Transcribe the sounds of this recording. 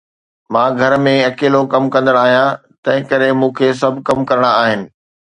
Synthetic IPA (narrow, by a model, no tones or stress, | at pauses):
mãːɡʱɐɾmẽɐkeːlokɐmkɐ̃nd̪əɽ̃aːɦijã | t̪ɐ̃ɦɪ̃kɐɾemũːkʰeːs̬ɐbʱkɐmkɐɾəɽ̃aaːɦɪnɪ̆